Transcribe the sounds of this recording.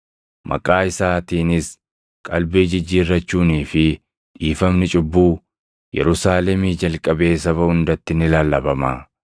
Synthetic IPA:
mɐ̰kʼaːɪsaːt̪iːnɪs | kʼɐlbeːd͡ʒɪd͡ʒːiːrːɐt͡ʃːuːniːfɪ | ᶑiːfɐmnɪt͡ʃʼʊbːuː | jɛ̰ɾʊsaːlɛmiːd͡ʒɐlkʼɐbeːsɐbɐʊnd̪ɐt̪ːɪnɪlaːlːɐbɐma

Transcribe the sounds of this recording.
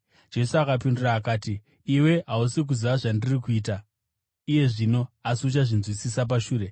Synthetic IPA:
d͡ʒe̞suakapinduraːkaːtiː | we̞ɦausik̬uziʋaʐandirikuiːta | ije̞ʐino̞asut͡ʃaʐinzwit͡sisap̬aʃuːɾe̞

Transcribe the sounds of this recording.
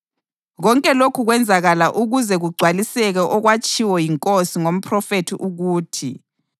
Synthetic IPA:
ɣɔŋkʼɛlokʰuɣwɛnd͡zʱaɣalaʔuɣuzɛɣuɡ͡ǀʱwalisɛɣɛʔɔɣwat͡ʃʼiwɔjiŋkʼosiŋom̩pʰrɔfetʰiʔuɣuːtʰḭ

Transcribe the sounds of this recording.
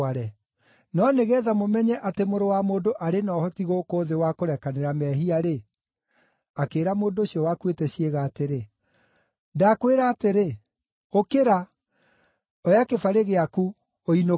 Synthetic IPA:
aɾɛ | nɔneɣɛːðamomɛɲɛʔatemoɾowamoːndoʔaɾenɔhɔtiɣokoːðewakoɾɛkaneɾamɛɦiaɾe | akeːɾamoːndoːɕiɔwakwetɛɕieɣaːteɾe | dakweɾaːteɾe | okeɾa | ɔjakefaɾeɣeaku | oino

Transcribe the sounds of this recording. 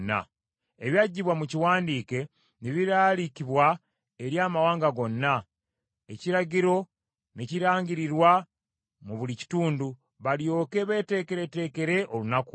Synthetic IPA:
nːa̰ | eβjaɟːiβwamuciwaːndiːke̞ | niβiɾaːlikiβwa | e̞ɾjaːmawaːŋɡaɡo̞nːa | e̞ciɾaɟiɾo̞ | ne̞ciɾaːɲɟiɾiɾwa | muβulici̥tuːndu | βaljo̞ːke̞βe̞ːte̞ːkeɾete̞ːke̞ɾe̞ʔo̞lunaku

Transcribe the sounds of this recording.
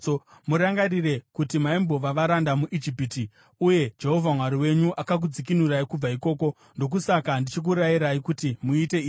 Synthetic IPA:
muɾaŋɡaɾire̞kutimaimbo̞ʋaʋaɾandamuʔid͡ʒipiti | uje̞d͡ʒe̞ɦo̞vʱamwaɾiwe̞ɲuʔakak̬ud͡zik̬inuraikub͡vaiko̞ːko̞ | ndo̞k̬usakandit͡ʃik̬uɾajiɾaikutimuite̞iː

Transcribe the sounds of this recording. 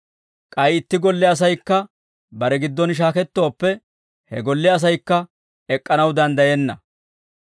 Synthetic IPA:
kʼɐjɪt̪ːɪɡɔlːɪɐs̬ɐjkːɐ | bɐɾɛɡɪd̪ːɔnʃ̬aːkɛt̪ːo̞ːpːɛ | hɛ̰ɡɔlːɪɐs̬ɐjkːɐ | ɛkʼːɐnɐwd̪ɐnd̪ɐjɛnːɐ

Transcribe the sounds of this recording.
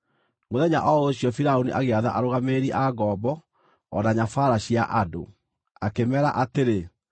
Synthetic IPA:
moðɛɲa̰ʔɔoɕijɔfiɾaoniʔaɣeaða̰ʔaɾoɣameɾiʔaɡɔbɔ | ɔnaɲafaɾaɕia̰ʔado̰ | akemɛɾa̰ʔateɾe

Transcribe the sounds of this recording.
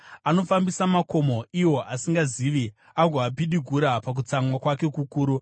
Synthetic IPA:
ano̞fambisamako̞mo̞iwo̞ʔasiŋɡaziʋi | aɡʱoapiɗiɡʱuɾapak̬ut͡samwakwake̞kukuːɾu

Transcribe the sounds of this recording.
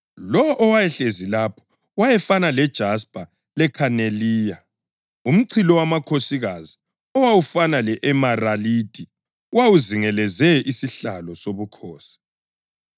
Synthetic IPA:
lɔwɔʔɔwajɛɬezilapʰɔ̥ | wajɛfanalɛd̥ʒ̥ʱaspʼa | lɛkʰaneliːja | um̩ǀʰilɔwamakʰosiɣazi | ɔwawufanalɛʔɛmaraliːd̥ʱʼi | wawuziŋɛlɛzɛisiɬalɔsoβukʰɔːsi̥

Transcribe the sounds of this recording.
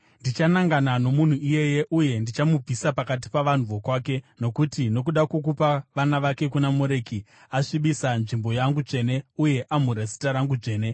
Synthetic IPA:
ndit͡ʃanaŋɡanano̞mun̤uije̞je̞ʔuje̞ndit͡ʃamub͡vʱisapakat̬i̥paʋan̤uʋokwaːke̞no̞kutino̞k̬uɗakuk̬upaʋanaʋake̞kunamoɾe̞ːki | aʂiɓisanʐimbo̞jaŋɡuʐe̞ːne̞uje̞ʔam̤uɾasi̥taɾaŋɡud͡ʐe̞ːne̞

